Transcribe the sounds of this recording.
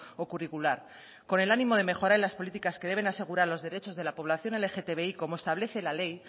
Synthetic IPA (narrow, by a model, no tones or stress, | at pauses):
o̞kurikulaɾ | ko̞ne̞lanĩmo̞ð̞e̞me̞xo̞ɾaɾelaspo̞lit̪ikaske̞ð̞e̞βe̞nase̞ɣuɾaɾlo̞zðe̞ɾe̞t͡ʃo̞zðe̞lapo̞β̞laθjo̞nelexe̞t̪e̞βe̞iko̞moest̪aβle̞θe̞lale̞j